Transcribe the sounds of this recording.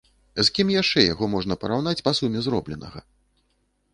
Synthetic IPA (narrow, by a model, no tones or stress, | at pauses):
zkʲimjaʂt͡ʂɛja̰ɣɔmɔʐnɐpɐɾawn̪at͡sʲpasumʲɛzɾɔblʲɛnɐ̰ɣɐ̰